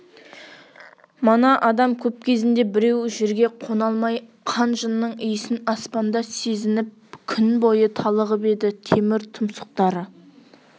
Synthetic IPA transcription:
mənɑʔɑd̪ɑmkʲʰɵp̚kʲʰe̞zɪnd̪e̞bɪɾe̞wʒeɾɡʲe̞qʰo̞nɑlˠmɑj | qʰɑnʒənːəɴʏjɪsɪnɑspɑnd̪ɑse̞zɪnɪp̚kʲʰʏnbo̞jət̪ʰɑlˠəʁəpe̞d̪ɪt̪ʰe̞mɪɾt̪ʰʊmsə̥q̚t̪ɑɾə

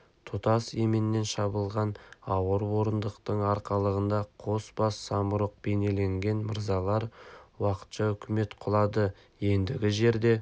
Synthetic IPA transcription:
t̪ʰʊt̪ɑsemɪnɪːe̞nʃɑbəlˠʁɑnɑwəɾwo̞ɾənd̪əqt̪əɴɑɾqɑlˠəʁənd̪ɑqʰo̞sbɑsːɑməɾəq̚b̥e̞ne̞le̞ŋɡʲe̞nməɾzɑlˠɑɾwɑqə̥t̪ʃɑʏkʲɪme̞t̪qʰʊlˠɑd̪ə | je̞nd̪ɪɡʲɪʒe̞ɾd̪e̞

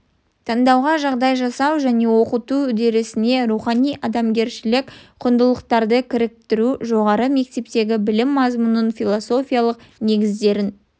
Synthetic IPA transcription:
t̪ʰɑɴd̪ɑwʁɑʒɑʁd̪ɑjʒɑsɑwʒæne̞wo̞qət̪uʏd̪e̞ɾɪsɪne̞ɾuχɑnijʔɑd̪ɑmɡʲe̞ɾʃɪlɪkʲqʰʊnd̪əlˠəqt̪ɑɾd̪əkʲʰɪɾɪk̚t̪ɪɾuʒo̞ʁɑɾəme̞k̚t̪e̞p̚t̪e̞ɡʲɪbɪlɪmːɑzmunənfʲijlˠoso̞fʲijalˠəqne̞ɡʲɪzd̪e̞ɾɪn

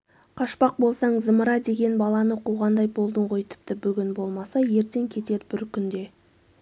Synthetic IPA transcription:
qʰɑʃpɑq̚bo̞lˠsɑɴzəməɾɑd̪e̞ɡʲe̞nbɑlˠɑnəqʰuʁɑnd̪ɑjbo̞lˠd̪əɴʁo̞jt̪ʰɪ̥p̚t̪ɪbʏɡʲɪnbo̞lˠmɑsɑje̞ɾt̪e̞ŋkʲʰe̞t̪e̞ɾbɪɾkʲʏnd̪e̞

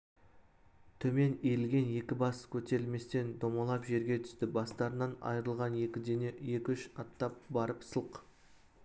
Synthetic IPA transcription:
t̪ʰɵme̞neɾɪlɡʲe̞nje̞kʲɪbɑskʲʰɵt̪e̞ɾɪlme̞st̪e̞nd̪o̞mɑlˠɑpʒe̞ɾɡʲe̞t̪ʰʏ̥st̪ɪbɑst̪ɑɾənɑnɑ̰jəɾəlˠʁɑnekʲɪd̪eneje̞kʲʏʃɑt̪ːɑp̚bɑɾəpsəlˠq

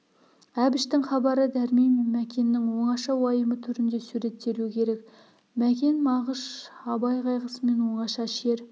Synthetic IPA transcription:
æbɪʃt̪ɪŋχɑbɑɾəd̪æɾmejmmækʲʰe̞nːɪŋwo̞ɴɑʃɑwɑjəmət̪ʰʏɾɪnd̪e̞suɾe̞t̪ːe̞ɾuɪkʲʰe̞ɾe̞k | mækʲe̞nmɑʁəʃɑbɑjʁɑjʁəsəme̞nwo̞ɴɑʃɑʃe̞ɾ

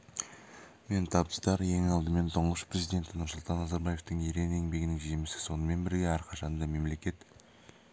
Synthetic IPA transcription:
me̞nt̪ʰɑbə̥st̪ɑɾje̞ŋɑlˠd̪əme̞nt̪ʰʊɴəʃpɾezid̪ʲe̞nt̪ɪnʊɾsʊlˠt̪ɑnːɑzɑɾbɑje̞ft̪əŋeɾe̞ne̞ŋbe̞ɡʲɪnɪŋʒimɪsɪ̥so̞nəme̞nbɪɾɡʲe̞æɾqʰɑʃɑnd̪ɑme̞mle̞kʲe̞t̪

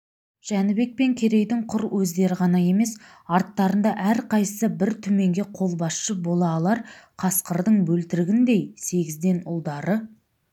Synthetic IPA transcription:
ʒ̥ænɪbe̞k̚pe̞ŋkʲʰe̞ɾe̞jd̪ɪɴqʰʊɾwɵzd̪e̞ɾɪʁɑnɑje̞me̞s | ɑɾt̪ːɑɾənd̪ɑʔæɾqʰɑjsəbɪɾt̪ʰɵme̞ŋɡʲe̞qʰo̞lˠbɑsʃəbo̞lˠɑːlˠɑɾqʰɑsqəɾd̪əɴbɵlt̪ɪɾɪɡʲɪnd̪e̞jse̞ɡʲɪzd̪e̞nʊ̰lˠd̪ɑɾə

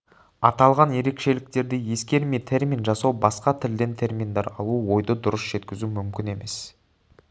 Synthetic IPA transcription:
ɑt̪ɑlˠʁɑnje̞ɾe̞kʃe̞lɪk̚t̪e̞ɾd̪eje̞skʲe̞ɾmijt̪ʰe̞ɾmʲinʒɑsɑwbɑsqɑt̪ʰɪld̪e̞nt̪ʰe̞ɾmʲind̪ɑɾɑ̰lˠuwo̞jd̪əd̪ʊɾəsʒ̥e̞t̪kʲɪzumʏmkʲɪne̞me̞s

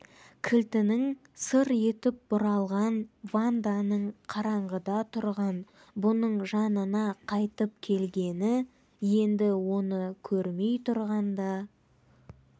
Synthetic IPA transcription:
kʲʰɪlt̪ɪnɪŋ | səɾe̞t̪ɪp̚bʊɾɑlˠʁɑnvand̪anəɴqʰɑɾɑɴʁəd̪ɑt̪ʰʊɾʁɑn | bʊnəɴʒɑnənɑqʰɑjt̪əp̚kʲʰe̞lɡʲe̞nɪ | je̞nd̪ɪwo̞nəkʲʰɵɾme̞jt̪ʰʊɾʁɑnd̪ɑ

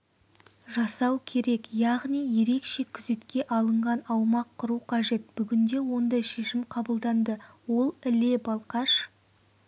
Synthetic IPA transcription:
ʒɑsɑwkʲʰe̞ɾe̞kjɑʁnijje̞ɾe̞kʃe̞kʲʰʏze̞t̪kʲe̞ʔɑlˠəɴʁɑnɑwmɑqʰːʊɾuqʰɑʒe̞t̪̚b̥ʏɡʲɪnd̪e̞wo̞nd̪ɑjʃe̞ʃɪmqʰɑbəlˠd̪ɑnd̪əwo̞lˠɪle̞bɑlˠqɑʃ

